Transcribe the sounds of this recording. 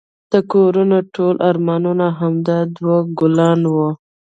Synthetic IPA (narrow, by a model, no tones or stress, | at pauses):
d̪̥əkoɾunaʈʰolʔaɾmɑnunaɦamd̪ɑd̪woɡʊlɑnwo